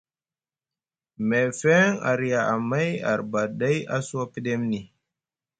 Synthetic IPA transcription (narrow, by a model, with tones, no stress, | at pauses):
me˨fɛ˦ŋa̰˨ɾja˨ʔa˨ma˦ja̰˨ɾba˨ɗa˦ja˦su˦a˦pi˦ɗe˦mni˨